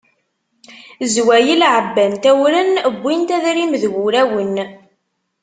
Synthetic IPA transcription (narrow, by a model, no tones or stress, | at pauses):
zwæjəlʕəbːænt̪æwɾənbʷːint̪æðɾimðɣuɾæwən